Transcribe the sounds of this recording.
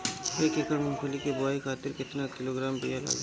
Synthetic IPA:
eːkekəɾmɐnkʰolikebʊaːikʰaːt̪ɪɾkɪt̪nakɪloɡɾaːmbijala̰ːɡ

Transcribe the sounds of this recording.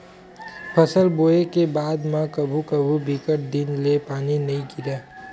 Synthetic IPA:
pʰəsəlboːekebaːd̪mãkɐbʱukɐbʱubɪkəʈ̚d̪ɪnlepaːninɐɦĩkɪɾaː

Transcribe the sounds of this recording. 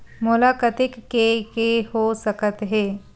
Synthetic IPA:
mʊlaːkət̪ɪkːekehosəkət̪ɦeː

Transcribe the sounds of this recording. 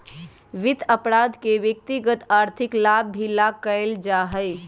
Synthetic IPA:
ʋɪt̪ʰəpɾaːd̪keʋjək̚t̪iɡət̪aːɾt̪ʰɪklaːbːʱilakəld͡ʒaːɦəj

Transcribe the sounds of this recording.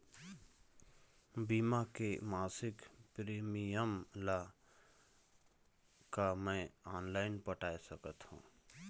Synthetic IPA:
biːmakemaːsɪkpɾiːmijəmla | kamɛ̃aːnlaːɪnpəʈaːjsəkət̪hṵ̃ː

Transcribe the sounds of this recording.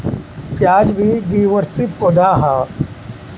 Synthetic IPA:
pjaːd͡ʒbʱid̪iːʋəɾsipoːd̪aːɦaː

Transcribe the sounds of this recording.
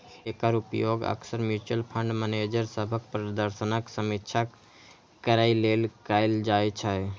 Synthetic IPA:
ekəɾupjoɡə̰ksəɾmjut͡ʃəlpʰə̃ɳɖməned͡ʒəɾsəbʱək̚pɾəd̪əɾsənaksəmitːt͡ʃʰa | kəɾailelkaɪld͡ʒaet͡ʃʰa

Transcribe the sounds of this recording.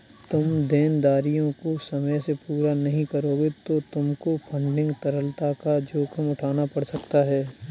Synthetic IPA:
t̪ʊmd̪eːnd̪aːɾijõkosɐməjsepuːɾanɐɦĩkɐɾoːɡet̪ot̪ʊmkopʰɐ̃ɳɖɪ̃ŋɡt̪ɐɾəlt̪akad͡ʒoːkʰəmʊʈʰaːnapɐɽsɐkt̪aɦɛː

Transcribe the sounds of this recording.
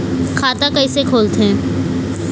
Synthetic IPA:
kʰaːt̪akɐisekʰoːlt̪ɦɛ̃ː

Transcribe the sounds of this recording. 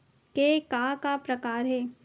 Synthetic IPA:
keːkaːkapɾɐkaːɾɦɛː

